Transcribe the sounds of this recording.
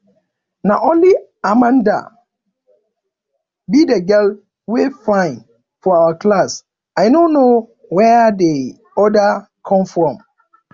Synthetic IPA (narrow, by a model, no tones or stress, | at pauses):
nãʔõnliamãnda̰ | bidɛɡɛl | wefãɪ̃n | fɔawakʰlas | aɪnõno | wɛde | ɔda | kʰɔ̃mfɾɔ̃m